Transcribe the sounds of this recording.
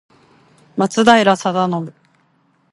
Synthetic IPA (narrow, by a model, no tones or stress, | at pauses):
mat͡sɨd̪aiɾasad̪anomɯ̟